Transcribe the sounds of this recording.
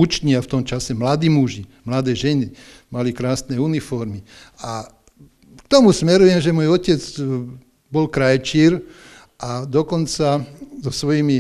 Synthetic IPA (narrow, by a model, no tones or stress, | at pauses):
ut͡ʃɲiaft̪ɔmt͡ʃasɛmlad̪iːmuʒimlad̪ɛːʒɛni | malikɾaːsnɛunifɔɾmi | a | kt̪ɔmusmɛɾujɛmʒɛmɔjɔcɛd͡z | bɔlkɾajɛt͡ʃiːɾ | ʔad̪ɔkɔnt͡sazɔsʋɔjimi